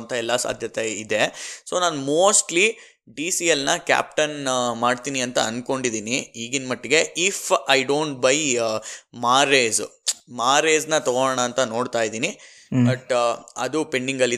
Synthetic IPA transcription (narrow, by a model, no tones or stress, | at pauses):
nt̪ʰɐɛlːɐsa̰ːd̪ʱjɐt̪eid̪e̞soːnaːnmoːsʈli | ɖiːsijɐlnɐkʲa̰ːp̚ʈɐnmaːɖt̪iːniɐnt̪ɐ̰ɐnko̞ɳɖid̪iːniiːɡinmɐʈːiɡe̞ʔifʰɐjɖoːɳʈ̚bɐj | maːɾeːzmaːɾeːznɐt̪oɳɐːnt̪ɐno̞ːɖt̪aːjid̪iːni | bɐʈɐd̪upe̞ɳɖiŋɡɐlːi